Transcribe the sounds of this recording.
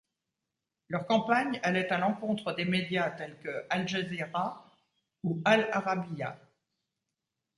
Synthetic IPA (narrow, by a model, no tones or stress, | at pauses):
lœʁkɑ̃paɲɛlɛt̪alɑ̃kɔ̃t̪χəd̪emed̪jat̪ɛlkəalʒeziʁa | ualaʁabija